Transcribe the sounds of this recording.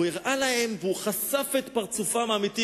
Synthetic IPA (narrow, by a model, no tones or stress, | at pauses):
jiʁʔalahe̞mveuχasafet̪paʁt͡sufamamit̪i